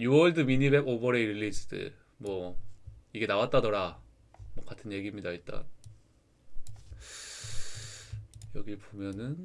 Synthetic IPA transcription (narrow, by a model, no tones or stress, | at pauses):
juʌɭdɯminibebobʌɾe̞iɾilːisʰd̥ɯ̰ɭ | mwʌ | iɡe̞nawat̚t͈adʌɾa | mwʌk͈atʰɯnje̞ɡimɲidaiɭt͈a̰n | jʌɡibomjʌnɯn